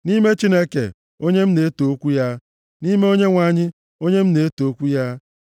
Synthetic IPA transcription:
ni˦me˦t͡ʃi˦ne˦kḛ˨ | o˦ɲe˦m̩˦ne˨e˦to˨˦kʷu˦ja˦ | ni˦me˦o˦ɲe˦ŋʷa˦˨ɲɪ˦ | o˦ɲe˦m̩˦ne˨e˦to˨˦kʷu˦ja˦

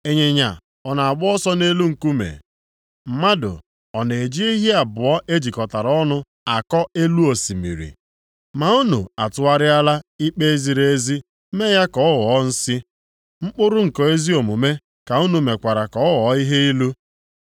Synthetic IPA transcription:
e˨ɲe˨ɲa̰˨ | ɔ˨na˨a˨ɡ͡bʊ˦ɔ˦sɔ˦ne˦lu˦ŋ̩˨ku˦mḛ˨ | m̩˨ma˦dʊ̰˨ | ɔ˨ne˨e˨d͡ʒi˦i˦ɦi˦a˨bʊ˨ɔ˦ʔe˦d͡ʒi˨kɔ˨ta˨ɾɔ˦nʊ˦ | a˨kɔ˦e˦lu˦o˨si˨mḭ˨ɾḭ˨ | ma˨u˦nu˨a˨tʊ˨a˦ɾɪ˦a˦la˦i˦k͡pe˦e˦zi˨ɾe˦e˦zi˦ | me˦ja˦kɔ˨˦ɔ˦wɔ˨˦n̩˦sɪ˦ | ŋ͡m̩˦k͡pʊ˦ɾʊ˦ŋ̩˨kɔ˨e˦zi˦o˨mu˨me˦ | ka˨u˦nu˨me˨kʷa˨ɾa˨kɔ˦ɔ˦wɔ˨˦i˦ɦe˦i˦lu˦

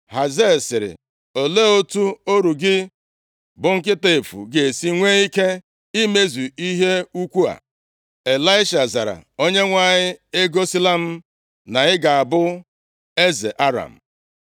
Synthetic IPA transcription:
ha˨ze˦˨sɪ˨ɾɪ̰˨ | o˨le˦o˦tu˦o˦ɾu˨ɡɪ˦ | bʊ˨ŋ̩˦kɪ˦te˨e˨fṵ˨ɡe˨e˨si˦ŋʷe˦i˦ke˦ | i˦me˦zu˨i˦ɦe˦u˦kʷu˦a̰˨ | e˨la˦ɪ˦ʃa˨za˨ɾa̰˨o˦ɲe˦ŋʷa˦˨ɲɪ˦e˦ɡo˦si˦la˦m̩˦ | na˨ɪ˦ɡa˨a˨bʊ˦ | e˦ze˨ʔa˦ɾa̰˨m̩˨

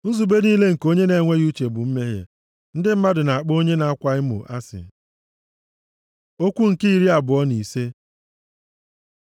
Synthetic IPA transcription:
n̩˦zu˨be˦niː˦le˦ŋ̩˨ko˦ɲe˦ne˨˦˨ŋʷe˦ɣu˦t͡ʃe˨bʊ˨m̩˦me˦ɦḛ˨ | n̩˦dɪ˦m̩˦ma˦dʊ˨na˨a˨k͡po˦ɲe˦na˨a˦kʷa˨ɪ˦mʊ̰˨ʔa˦sɪ̰˨ | o˦kʷu˦ŋ̩˨ki˦i˨ɾi˦a˨bʊ˨ɔ˦ni˨se˦

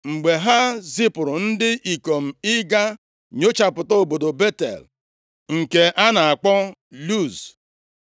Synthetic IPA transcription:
ŋ͡m̩˨ɡ͡be˨ɦa˦zi˦pʊ˨ɾʊ˨n̩˦dɪ˦ʔi˨ko˨m̩˨ɪ˦ɡa˦ | ɲo˦t͡ʃa˨pʊ˨tɔ˦o˨bo˨do˨be˦tḛ˨l | ŋ̩˨ke˨ʔa˦na˨a˨k͡pɔ˦lu˦˨z

